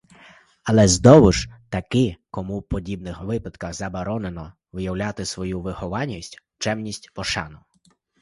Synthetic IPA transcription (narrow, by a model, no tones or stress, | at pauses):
ɐlˠɛzd̪ɔʋʊʒt̪ɐkɪkɔmuwpɔdʲibnɪxʋɪpɐd̪kɐxzɐbɔɾɔnenɔ | ʋɪjɐwlʲat̪ɪsʋɔjuʋɪhɔʋɑnʲːisʲtʲ | t͡ʃɛmnʲisʲtʲpɔʃɑnʊ